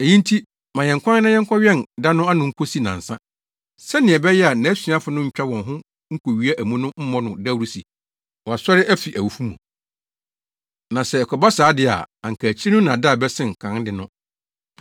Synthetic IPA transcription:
e˨jĩ˦n˦tʰi˦ | mã˨jɛ̃˨ŋkʷʰã˦n˦nã˦jɛ̃˦ŋ˦kʰʷɔ˦ɥᶣɛ˦˨n˨da˦nʊ̃˦a˦nʊ̃˨ŋ̩˦kʰo˦si˦nã̰˨n̩˨sã̰˦ | sɛ˦nɪ̃˨ɛ˨bɛ˦jɛ˦a˨nã˨˦sĩ˨˦a˦fʊ˨nʊ̃˦ɲ̩˨t͡ɕᶣa˦wɔ̃˨nɦʊ̃˦ | ŋ̩˦kʰo˨ɥi˦æ˦ʔæ˨mũ˦nʊ̃˦m̩˦mɔ̃˦nʊ̃˨da˦wɾu˦si˨ | wɔ˨a˨sɔ˦ɾɪ˦ʔæ˦fi˨ʔæ˨wu˨fu˦mṵ̃˨ | nã˨sɛ˨ɛ˨kʰɔ˨ba˦saː˨˦dɪ˨a̰˨a˨ŋ̩˨kʰæ˨t͡ɕʰi˦nʊ̃˦nã˨da˦˨bɛ˦sɪ̃˦ŋ̩˨kʰã˨˦dɪ˨nʊ̃˦

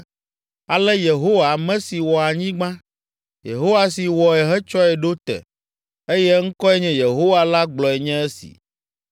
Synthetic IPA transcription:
a˨lɛ˦je˨ɦo˦wa˨mɛ̃˦si˨wɔ˨a˨ɲĩ˦ɡ͡bã˦ | je˨ɦo˦wa˨si˨wɔ˨ɛ˨ɦɛ˦t͡ʃɔ˦ɛ˨ɖo˦t̪ɛ̰˨ | e˦jɛ˦ŋ̩˦kɔ˦ɛ˦ɲɛ̃˦je˨ɦo˦wa˨la˦ɡ͡blɔ˨ɛ˨ɲɛ̃˦e˦sḭ˨

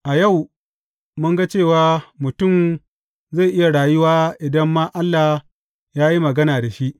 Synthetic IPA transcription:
ʔa˨ja˦˨w | mʊ˦ŋɡa˦t͡ʃeː˦˨waː˨˦mʊ˨tʊ˦˨m | za˦˨ʔɪ˦ja˨ɽaː˨jʊ˦waː˦ʔɪ˨dɐ˦mːaː˦ʔa˦lːa˨ | jaː˦ji˦mɐ˨ɡɐ˦naː˨da˨ʃi˦ʔ

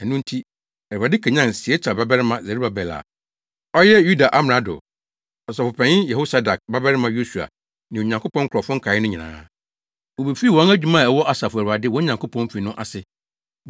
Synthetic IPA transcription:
ɛ̃˨nʊ̃˦n̩˦tʰi˦ | ɛ˨a˨dɪ˦kʰɛ˨ɲã˦nsɪ˨ɛ˦t͡ɕʰa˨ba˦bɛ˦ɾɪ˦mã˨zɛ˨ɾi˦ba˨bɛ˨la̰˨ | ɔ˦jɛ˦ju˦da˨ʔa˦m˨a˨dʊ̰˨ | ɔ˨sa˨fʊ˨pʰɛ̃˨ɲɪ˦jɛ˨ho˦sa˦da˨k̚ba˦bɛ˦ɾɪ˦mã˦jo˦su˨a̰˨ | nɪ̃˨ɲã˨ŋkʰo˦pɔ̃˦ŋ̩˦kʰɾɔ˨fʊ̃˦ŋ˦kʰa˨ɪ˦nʊ̃˦ɲĩ˨nã̰ː˨˦ | wo˨be˨fi˦˨wɔ̃˨˦næ˦d͡ʑᶣu˨mã˦˨ɛ˨wɔ˦ʔa˨sa˨fʊ˨æ˨a˨dɪ˦wɔ̃˦ɲã˨ŋkʰo˦pʰɔ̃˦n˦fi˨nʊ̃˦ʔa̰˨sɪ˨

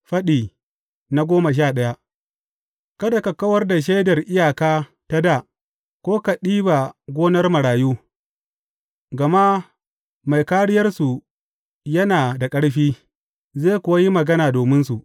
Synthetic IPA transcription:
ɸɐ˦ɗiː˨ | na˦ɡʷoː˦ma˨ʃ̬aː˦˨ɗɐ˦ja˦ʔ | kɐ˦da˨ka˨kɐ˦wɐ˦rda˨ʃ̬a˦jdɐ˨rʔɪ˦jaː˨kaː˦ | ta˦da˦˨ | kʷoː˦ka˨ɗiː˦ba˨ɡʷoː˦nɐ˦rmɐ˨ɽaː˨juː˦ | ɡɐ˨ma˦ | ma˨jkaː˦ɽɪ˦jɐ˦rsu˨ | jɐ˦naː˨da˨kʼɐ˦ɽɸiː˦ | zeː˦˨kʷʊ˨wa˦ji˦mɐ˨ɡɐ˦naː˨doː˨mɪ˦nsu˨ʔ

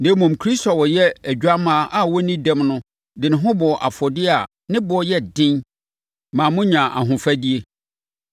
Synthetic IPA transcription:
nẽ˦mũ˨mkʰɾi˦stɔ˨wɔ˨jɛ˦æ˨ɟᶣa˦mã˦ʔa˨wɔ˦nĩ˦dɛ̃˦mnʊ̃˦ | dɪ̃˨nɪ̃˨ɦʊ̃˦bɔ˨ʔa˨fɔ˨dɪ˦a˨ | nɪ̃˦bɔ˨˦jɛ˦dɪ̃˦n | mã˨mʊ̃˦ɲã˨ʔa̰˨ɦʊ̃˨fæ˦di˦e˦

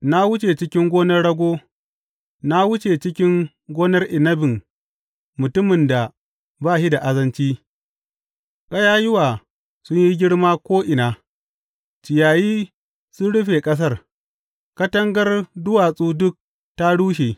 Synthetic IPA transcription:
na˦wʊ˦t͡ʃe˨t͡ʃɪ˦kʲɪ˦ŋɡʷoː˦nɐ˦rɽɐ˦ɡʷoː˦ | na˦wʊ˦t͡ʃeː˨t͡ʃɪ˦kʲɪ˦ŋ | ɡʷoː˦nɐ˦rʔɪ˨nɐ˦bɪ˨ŋ | mʊ˨tʊ˦mɪ˨nda˨ | baː˦˨ʃi˦da˨ʔa˦zɐ˦nt͡ʃiː˦ | kʼɐ˦jaː˦jɪ˦waː˨ | sʊ˦ɲji˦ɡʲɪ˦ɽmaː˦kʷoː˦ʔɪ˨naː˨ | t͡ʃɪ˨jaː˨jiː˦ | sʊ˦nɽʊ˦ɸeː˨kʼɐ˦s̬ɐ˦r | kɐ˦tɐ˦ŋɡɐ˦rdʊ˦waː˨sʼuː˦dʊ˦k̚ | ta˦ɽuː˦ʃ̬eː˨

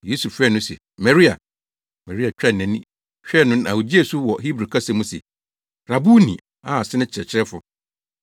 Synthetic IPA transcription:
je˦su˨fɾɛ˦nʊ̃˦sɛ̰˨ | mɛ˨ɾi˦a̰˨ | mɛ˨ɾi˦a˨t͡ɕᶣɾɛ˦˨nɛ̃˨˦nĩ˦ | ɕᶣɛ˦˨nʊ̃˦n˦a̰˨wo˨d͡ʑi˦e˨su˦wɔ˨ɦi˦bɾi˨kʰa˦sɛ̃˨mũ˦sɛ̰˨ | ɾa˨bu˦nḭ̃˨ | a˨sɪ˦nɪ̃˦t͡ɕʰɪ˨ɛ̰˨t͡ɕʰɪ˦ɾɛ˦fʊ˨

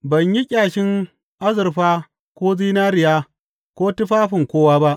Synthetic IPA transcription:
bɐ˨ɲji˦kʲʼaː˨ʃɪ˦ŋ | ʔa˦zɪ˨rɸaː˦ | kʷoː˦ziː˦naː˦ɾɪ˨jaː˦ | kʷoː˦tɪ˦ɸaː˦ɸɪ˨ŋkʷoː˦waː˦ba˦ʔ

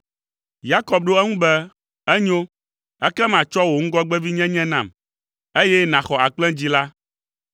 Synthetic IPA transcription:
ja˦kɔ˨b̚ɖo˦ɛ˦ŋũ˦bɛ˦ | ɛ˦ɲo˦ | ɛ˦kɛ˦mã˨t͡ʃɔ˦wo˨ŋ̩˦ɡɔ˦ɡ͡bɛ˦vi˦ɲɛ̃˦ɲɛ̃˦nã˨m | e˦jɛ˦nã˨xɔ˨a˨k͡plɛ̃˦d͡ʑi˦la˦

